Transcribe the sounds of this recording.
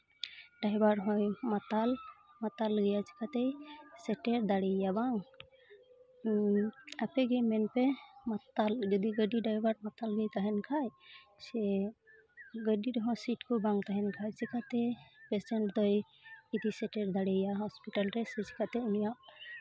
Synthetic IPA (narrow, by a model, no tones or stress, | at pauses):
ɖajbaɾɦɔjmat̪almat̪alɡɛjat͡ʃʰi̥kʰat̪ɛjsɛʈɛɾd̪aɽɛjabaŋ | apʰɛɡejmɛnpɛmat̪ald͡ʒɔd̪iɡəɖiɖajbaɾmat̪alɡɛjt̪aɦɛnkʰaj | sɛ | ɡəɖiɾɔɦɔ̃siʈkɔbaŋt̪aɦɛnkʰajsikʰat̪ɛpɛsɛɳʈd̪ɔj | id̪isɛʈɛɾd̪aɽɛjaɦɔspiʈalɾɛsɛt͡ʃʰi̥kʰat̪ɛunijaʔ